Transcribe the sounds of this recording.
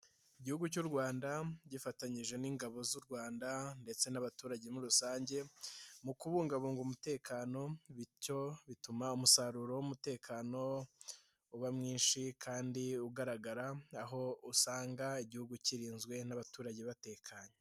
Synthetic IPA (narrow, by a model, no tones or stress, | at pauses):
iɟihuɡucuːɾɡwaːndaɟifataɲiʒe̞niːŋɡaβo̞zuɾɡwaːndande̞t͡se̞naβatuːɾaɟe̞muɾusaːɲɟe̞mukuβuːŋɡaβuːŋɡumute̞ːkʰaːno̞βico̞βitumaumusaɾuɾo̞wumute̞ːkʰaːno̞ | uβamŋiːnʃikʰaːndiuɡaɾaɡaɾaaɦo̞usaːŋɡaiɟihuɡuciɾiːnzɡwe̞naβatuːɾaɟe̞βate̞ːkʰaɲe